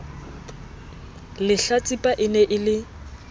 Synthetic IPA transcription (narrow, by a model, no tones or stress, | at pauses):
lɪɬat͡sʼipʼaʔɪnɛʔɪlɪ